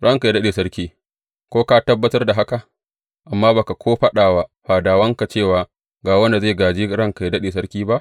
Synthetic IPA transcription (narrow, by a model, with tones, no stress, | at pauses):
ɽɐ˦ŋka˨jdɐ˦ɗeː˨sɐ˦ɾkʲiː˦ | kʷoː˦ka˦tɐ˦bːɐ˦tɐ˦rda˨ɦa˦ka˨ʔ | ʔa˨mːaː˦baː˨ka˨kʰʷoː˦ɸɐ˦ɗaː˨wa˦ɸaː˨daː˨wɐ˦ŋka˨t͡ʃeː˦˨waː˨ | ɡaː˨wɐ˦nda˨za˦˨ɡaː˨d͡ʒiː˦ɽɐ˦ŋka˨jdɐ˦ɗeː˨s̬ɐ˦ɽkʲiː˦ba˦ʔ